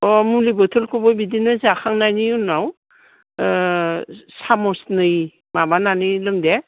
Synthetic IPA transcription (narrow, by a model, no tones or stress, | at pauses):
ɔmulibɔtʰɯlkʰɔbɔbidinɯzakʰaŋnajniunaw | samɔsnɯj | mabananɯlɯŋde